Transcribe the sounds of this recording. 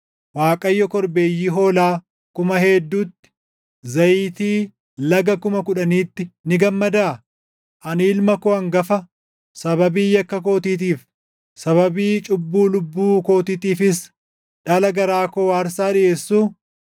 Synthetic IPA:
waːkʼɐjːɔkɔɾbe̞ːjːiːɦo̞ːlaː | kʊmɐɦɛːd̪ːuːt̪ːɪ̥ | zɐjiːt̪iː | lɐɡɐkʊmɐkʊᶑɐniːt̪ːɪnɪɡɐmːɐd̪aː | ʔɐniːlmɐkoɐŋɡɐfɐ | sɐβɐbiːjɐkːɐko̞ːt̪iːt̪̬iːf | sɐβɐbiːt͡ʃʼʊbːuːlʊbːuːkoːt̪iːt̪iːfɪs̬ | ᶑɐlɐɡɐɾaːkowaːɾsaːᶑɪʔe̞ːsːuː

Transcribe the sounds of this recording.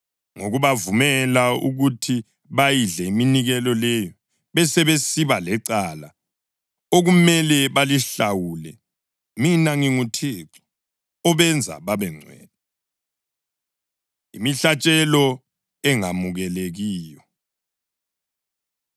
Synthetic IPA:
ŋoɣuβavumɛlauɣutʰi | βajiɮɛiminiɣɛlɔlɛjɔ | βɛsɛβesiβalɛǀala | oɣumɛlɛβaliɬawuːlɛ̰ | minaŋiŋutʰeːǀɔ̥ | ɔβɛnd͡zʱa̰βaβɛŋ͡ǀʱwɛ̰ːnɛ | imiɬat͡ʃʼɛlɔ | ɛŋamuɣɛleɣiːjɔ

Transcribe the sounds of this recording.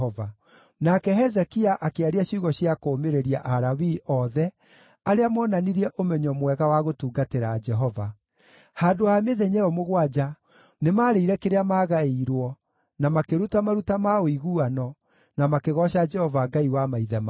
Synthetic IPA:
ɔva | nakɛɦɛzɛkiaʔakeaɾiaɕiɣɔɕjakoːmeɾeɾiaʔaɾawiʔɔðɛ | aɾeamɔnaniɾiɛʔomɛɲɔmwɛɣawaɣotuːɡateɾad͡ʒɛɦɔva | haːdoameðeɲɛɔmoɣwad͡ʒa | nemaɾeiɾɛkeɾeamaːɣaeɾwɔ | namakeɾutamaɾutamaoiɣuanɔ | namakeɣɔʃad͡ʒɛhɔvaɡaiwamaiðɛm

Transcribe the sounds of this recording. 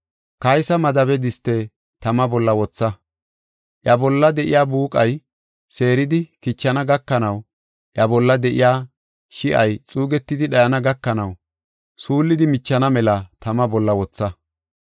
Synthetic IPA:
kɐjsɐmɐd̪ɐbɛd̪ɪst̪ːɛ | t̪ɐmɐbɔlːɐwɔt͡sːɐ | ʔjɐbɔlːɐd̪ɛʔɪ̰jaːbuːkʼɐj | se̞ːɾɪd̪ɪkɪt͡ʃːɐnɐɡɐkːɐnɐw | ʔjɐbɔlːɐd̪ɛʔɪjaː | ʃɪʔɐjt͡sʼuːɡɛt̪ːɪd̪ɪɗɐjɐnɐɡɐkːɐnɐw | suːlːɪd̪ɪmɪt͡ʃːɐnɐmɛlɐt̪ɐmɐbɔlːɐwɔt͡sːɐ

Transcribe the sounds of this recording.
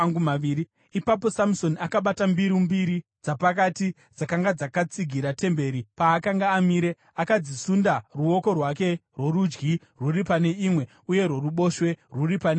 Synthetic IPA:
ŋɡumaiɾi | ipapo̞samso̞nakaɓatambiɾimbiɾid͡zapak̬ati | d͡zakaŋɡad͡zakat͡siɡʱiɾate̞mbe̞ɾipaːkaŋɡaːmiːɾe̞ | akad͡zisundaruo̞ko̞rwake̞rwo̞ɾud͡ʒɡi | ruripane̞imwe̞ | uje̞rwo̞ruɓo̞ːʃwe̞ruripane

